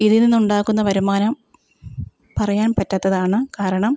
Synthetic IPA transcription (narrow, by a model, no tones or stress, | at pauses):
iðininːuɳɖaːkːunːɐʋɐɾumaːnɐm | pɐrɐjaːnpɐtːɐt̪ːɐðaːɳɨkaːɾɐɳɐm